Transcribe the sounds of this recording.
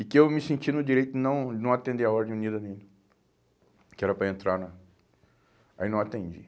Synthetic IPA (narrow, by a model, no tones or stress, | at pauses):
ɪkɪewmɪsẽnt͡ʃinʊd͡ʒiɾejt̪ʊɪnɐ̃w̃nɐ̃w̃at̪ẽnd̪eɐɔɾd̪ẽj̃nid̪ɐnẽɲu | kɪɛɾɐpɾɐẽnt̪ɾaɾnɐ | ainɐ̃w̃at̪ẽnd͡ʒi